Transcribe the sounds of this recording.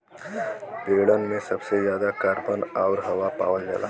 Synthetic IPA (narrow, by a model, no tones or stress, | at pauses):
peɽənmesəbsed͡ʑjad̪akaɾpənaʋɾɦəʋapa̰ʋəld͡za̰la̰